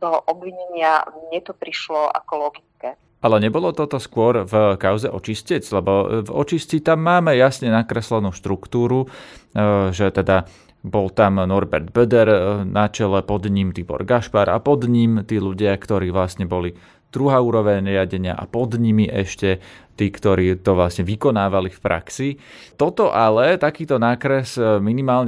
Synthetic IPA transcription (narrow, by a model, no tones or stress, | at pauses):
t̪ɔɦʔɔbʋiɲɛɲɪaɲɛt̪ɔpɾiʃlɔʔa̰kɔlɔɡit͡skɛ | ʔalɛɲɛbɔlɔt̪ɔt̪ɔskʊɔɾvkaʊzɛʔɔt͡ʃiscɛt͡slɛbɔvɔ̰t͡ʃiscit̪amːaːmɛjasɲɛnakɾɛslɛnuːʃt̪ɾukt̪uːɾu | ʒɛt̪ɛd̪a | bɔlt̪amnɔɾbɛɾd̪̚bɛd̪ɛɾnat͡ʃɛlɛpɔd̪ɲimt̪ibɔ̰ɾɡaʃpaːɾa̰pɔd̪ɲimt̪iːluɟɪakt̪ɔɾiːʋlasɲɛbɔli | d̪̥ɾuɦaːuːɾɔʋɛɲɾɪaɟɛɲɪa̰ʔa̰pɔd̪ɲimiʔɛʃcɛt̪iːkt̪ɔɾiːt̪ɔʋlasɲɛʋikɔnaːʋalifpɾʔa̰ksit̪ɔt̪ɔʔalɛt̪akiːt̪ɔnaːkɾɛsminimaːlɲɛ